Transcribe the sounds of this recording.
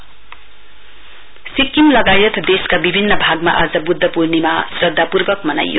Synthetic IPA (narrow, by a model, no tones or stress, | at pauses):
sikːimlɐɡajʌt̪ʰd̪eskabibʱinːɐbʱaɡ̚ma̰ʔa̰zɐbud̪ʱːʌpuɾnima̰sɾʌd̪ʱːapuɾbʌk̚mʌna̰jːo̰